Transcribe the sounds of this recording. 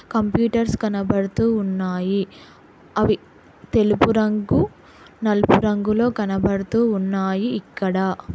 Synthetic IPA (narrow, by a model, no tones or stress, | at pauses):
kɐmpjuːʈɐɾskɐnɐbɐɽut̪uːnːaːji | ɐʋi | t̪e̞lupuɾɐŋɡu | nɐlupuɾɐŋɡulo̞ːkɐnɐbɐɽut̪uːnːaːjiːkːɐɽɐ